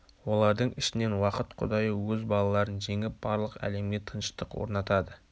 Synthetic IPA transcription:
wo̞lˠɑɾd̪əɴɪʃɪne̞nwɑqət̪qʰʊ̰d̪ɑjəwɵzbɑlˠɑlˠɑɾənʒe̞ŋɪp̚b̥ɑɾlˠəqæ̰le̞mɡʲe̞t̪ʰənʃt̪əqwo̰ɾnɑt̪ɑd̪ə

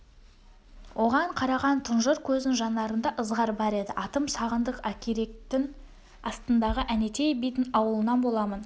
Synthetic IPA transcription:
wʔo̞ʁɑɴqʰɑɾɑʁɑnt̪ʰʊnʒəɾkʲʰɵzɪnʒɑnɑɾənd̪ɑʔəzʁɑɾbɑɾe̞d̪ɪʔɑt̪əmsɑʁənd̪əqækʲʰeɾe̞k̚t̪ɪŋ | ɑst̪ənd̪ɑʁəʔæne̞t̪ʰe̞jbijt̪ɪnɑwəlˠənɑnbo̞lˠɑmən

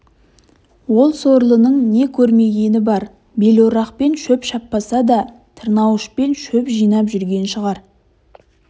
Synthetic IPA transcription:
wo̞lˠso̞ɾlˠənəɴne̞kʲʰɵɾme̞ɡʲe̞nɪbɑɾ | be̞loɾɑqpe̞nʃɵpʃɑpːɑsɑd̪ɑ | t̪ʰəɾnɑwəʃpe̞nʃɵpʒijnɑpʒʏɾɡʲe̞nʃəʁɑɾ

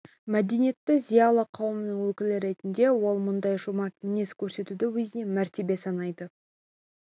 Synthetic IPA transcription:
mæd̪e̞nije̞t̪ːɪzijɑlˠəqʰɑwəmənəŋwɵkʲɪlɪɾe̞t̪ɪnd̪e̞wo̞lˠmʊnd̪ɑjʒʊmɑɾt̪mɪne̞skʲʰɵɾse̞t̪ud̪ɪwɵzɪne̞mæɾt̪e̞be̞sɑnɑjd̪ə

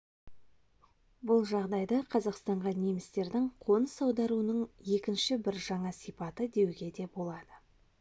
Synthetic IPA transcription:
bʊlˠʒɑʁd̪ɑjd̪ɑqʰɑzɑqst̪ɑɴʁɑnemɪst̪e̞ɾd̪ɪŋqʰo̞nəsɑwd̪ɑɾuənəɴje̞kʲɪnʃɪbɪɾʒɑɴɑsijpɑt̪əd̪e̞wɡʲe̞d̪e̞bo̞lˠɑd̪ə

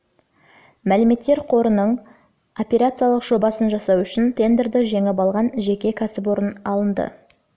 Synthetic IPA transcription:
mælɪme̞t̪ːe̞ɾqʰo̞ɾənəɴ | o̞pʲe̞ɾat̪sɨjalˠəqʒ̥o̞bɑsənʒɑsɑwʏʃɪnt̪ʰe̞nd̪eɾd̪ɪʒeŋɪp̬ɑlˠʁɑnʒe̞kʲe̞kʲʰæsɪp̬wo̞ɾənɑlˠənd̪ə̰

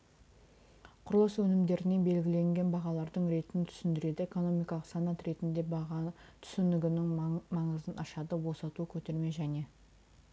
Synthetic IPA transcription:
qʰʊɾlˠəswɵnɪmd̪e̞ɾɪne̞be̞lɡʲɪle̞ŋɡʲe̞nbɑʁɑlˠɑɾd̪əɴɾe̞t̪ɪnɪt̪ʰʏ̥sɪnd̪ɪɾe̞d̪ɪeko̞no̞mijkɑlˠəqsɑnɑt̪ɾe̞t̪ɪnd̪e̞bɑʁɑt̪ʰʏ̥sɪnɪɡʲɪnɪŋmɑɴəzənɑʃɑd̪əbo̞sɑt̪uəkʲʰɵt̪e̞ɾme̞ʒæne̞

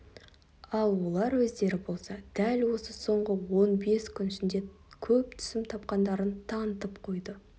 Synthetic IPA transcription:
ɑlˠwo̞lˠɑɾwɵzd̪e̞ɾɪbo̞lˠsɑd̪̥ælwo̞səso̞ɴʁəwo̞nbe̞skʲʰʏnɪʃɪnd̪e̞ | kʲʰɵp̚t̪ʰʏ̥sɪmt̪ʰɑp̚qɑnd̪ɑɾənt̪ʰɑnt̪əpqʰo̞jd̪ə

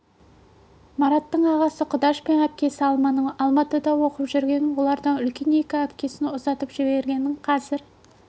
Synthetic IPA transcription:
mɑɾɑt̪ːəɴɑʁɑsəqʰʊd̪ɑʃpenæp̚kʲe̞sɪɑlˠmɑnəɴɑlˠmɑt̪əd̪ɑwo̞qəpʒʏɾɡʲe̞nɪnwo̞lˠɑɾd̪ɑnʏlkʲe̞ne̞kʲɪæpkʲe̞sɪnʊzɑt̪əpʒ̥ɪbe̞ɾɡʲe̞nɪɴqʰɑzɪɾ

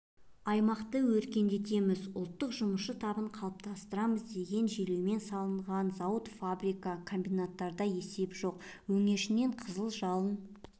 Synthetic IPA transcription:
ɑjmɑqt̪əwɵɾkʲe̞nd̪e̞t̪e̞mɪzʊlˠt̪ːəqʒʊməʃət̪ʰɑbəɴqʰɑlˠəp̚t̪ʰɑst̪əɾɑməzd̪e̞ɡʲe̞nʒe̞le̞wme̞nsɑlˠəɴʁɑnzɑwət̪fabɾijkɑkʰo̞mbijnat̪ːɑɾd̪ɑje̞se̞pʒ̥o̞q | wɵŋe̞ɾʃɪne̞ɴqʰəzəlˠʒɑlˠən

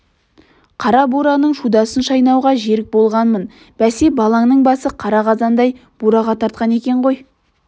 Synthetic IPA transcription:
qʰɑɾɑbuɾɑnəɴʃud̪ɑsənʃɑjnɑwʁɑʒe̞ɾɪk̚bo̞lˠʁɑnmən | b̥æsebɑlˠɑŋnəɴbɑsəqʰɑɾɑʁɑzɑnd̪ɑjb̥uɾɑʁɑt̪ʰɑɾt̪̚qɑne̞kʲe̞ɴʁo̞j

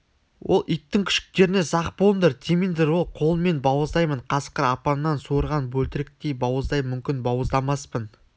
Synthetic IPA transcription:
wʔo̞lˠijt̪ːɪŋkʲʰɪ̥ʃkʲɪ̥k̚t̪e̞ɾɪnezɑqpond̪əɾt̪ʲʰemind̪eɾwo̞lˠqʰo̞lˠəme̞nbɑwəzd̪ɑjməɴqʰɑsqəɾɑpɑnːɑnsuɾʁɑnbɵlt̪ɪɾɪk̚t̪ejbɑwəzd̪ɑjmʏmkʲɪnbɑwəzd̪ˠɑmɑspən

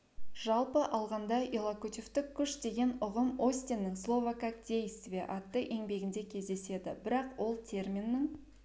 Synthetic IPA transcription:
ʒɑlˠpəʔɑlˠʁɑnd̪ɑʔelˠakut̪ʲoft̪ɪkʲʰːʏʃd̪e̞ɡʲe̞nʊʁəmo̞sʲt̪ʲenːɪŋslˠo̞vakak̚d̪ʲe̞jsvʲeʔɑt̪ːəʔe̞ŋbe̞ɡʲɪnd̪e̞kʲʰe̞zd̪e̞se̞d̪ɪbɪɾɑqwo̞lˠt̪ʲʰe̞rmʲinːɪŋ

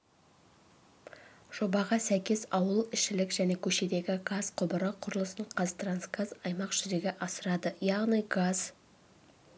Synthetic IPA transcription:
ʒ̥o̞bɑʁɑsæjkʲe̞zɑwəlˠɪʃːɪlɪkʒ̥æne̞kʲʰɵʃe̞d̪e̞ɡʲɪɡazqʰʊbəɾəqʰːʊɾlˠəsəɴqʰɑzt̪ransɡazɑjmɑqʒ̥ʏɾeɡʲeʔɑsəɾɑd̪əjɑʁnɨjɡaz

